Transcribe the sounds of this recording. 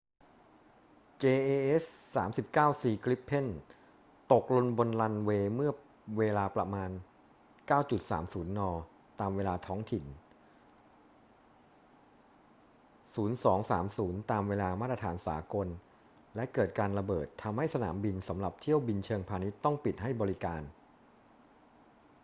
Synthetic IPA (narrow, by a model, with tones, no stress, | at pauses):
t͡ɕeː˧ʔeː˧ʔe˦˥ssaː˩˦msi˨˩p̚kaː˥˩wsiː˧˩kʰli˦˥pʰːe˥˩n | t̪o˨˩k̚lo˧nbo˧nla˧nweː˧mɯ˥˩ɐ | weː˧laː˧pɾa˧maː˧n | kaː˥˩wt͡ɕu˨˩t̪̚sa̰ː˩˦msuː˩˦nːɔː˧ | t̪aː˧mweː˧laː˧t̪ʰɔː˦˥ŋt̪ʰi˨˩n | suː˩˦nsɔː˩˦ŋsaː˩˦msuː˩˦nt̪aː˧mweː˧laː˧maː˥˩t̪ɾa˧t̪ʰaː˩˦nsa̰ː˩˦ko˧n | lɛ˦˥kɤː˨˩t̪̚kaː˧nɾa˧bɤː˨˩t̪ʰːa˧mha˥˩jsa˧na̰ː˩˦mbi˧nsa˩˦mɾa˨˩p̚t̪ʰi˥˩əwbi˧nt͡ɕʰɤː˧ŋpʰaː˧ni˦˥t̪ːɔ˥˩ŋpi˨˩t̪̚ɦa˥˩jbɔː˧ɾi˦˥kaː˧n